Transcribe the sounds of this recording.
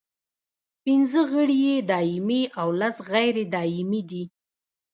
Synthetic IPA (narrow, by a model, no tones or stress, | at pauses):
pɪnzəɣəɽijed̪ɑɪmiʔawlasɣajɾed̪ɑɪmid̪i